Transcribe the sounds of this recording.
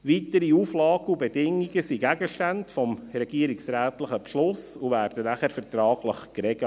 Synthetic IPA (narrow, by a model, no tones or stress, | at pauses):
ʋitəɾiuːflɑːɡəubedɪŋːiɡəsiɡæɡəʃtæntfɔmɾɛɡ̥iəɾiksɾæːt̪ləχəpʃlʊsuvæːrd̥ənæχæɾfəɾtɾɑːɡləχkɾɛɡə